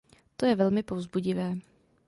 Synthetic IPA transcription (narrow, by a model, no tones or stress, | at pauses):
t̪ojɛvɛlmɪpovzbuɟɪvɛː